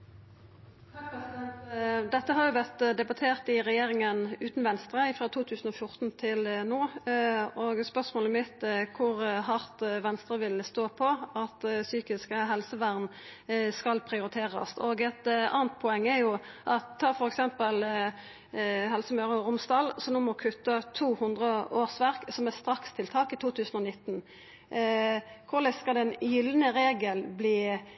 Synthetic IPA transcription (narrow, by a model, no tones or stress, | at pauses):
t̪ʰɑpɛsɪd̪ɛnt̪d̪ɛt̪ːəɦɑɾjʊʋæʁt̪d̪ɛbɑt̪ʰeːʁt̪ɪʁɛjeːɾɪŋənʉːt̪nʋɛnst̪ɾəɪfʁɑːt̪ʰuːt̪ʰʉːsən̩ɔfjʊʁt̪n̩t̪ʰɪlnoː | oːɡspœʁsmoːləmɪt̪kʰʊɾhɑʁt̪ʋɛnst̪ʁəʋɪlst̪oːpʰɔɑt̪syːkɪskəɦɛlsəʋæʁn | skɑlpʰɾɪʊɾɪt̪ʰeːʁɑ̰st̪oːɡɛt̪ɑ̰ːnt̪̚pʰɔɛŋːɛɾjʊʔɑt̪ʰːɑːfɔɾɛksɛmpəl | ɦɛlsəmœʁʊɾʊmst̪ɑlsɔnoːmɔkʰʉt̪ːət̪ʰuːhʉnd̪ʁəoːʁsʋæʁksɔmɛst̪ɾɑkst̪ʰɪlt̪ʰɑːkɪt̪ʰuːt̪ʰʉːsənɔnɪt̪ːn̩ | kʰʊʁlɛskɑld̪ɛɪnjʏlːənəɾeːɡəlbliː